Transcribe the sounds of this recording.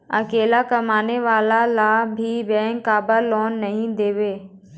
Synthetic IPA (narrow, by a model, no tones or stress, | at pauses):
ɐ̰keːlakɐmaːneʋaːlalaːbʱibɐ̃ːŋkaːbəɾlɔːnːɐɦĩd̪eːʋeː